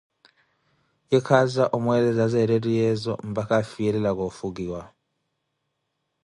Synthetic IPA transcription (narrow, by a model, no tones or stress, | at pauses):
ikʰazaʔumwɛlɛzazɛɾetʼijɛzɔ̰m̩bakafijɛlɛlak̬ofuk̬iːwa